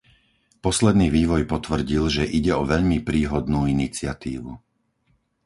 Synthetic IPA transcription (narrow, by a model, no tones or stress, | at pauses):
pɔslɛd̪niːʋiːʋɔjpɔt̪ʋr̩ɟilʒɛʔiɟɛɔʋɛʎmipɾiːɦɔd̪nuːinit͡sɪat̪ḭːʋṵ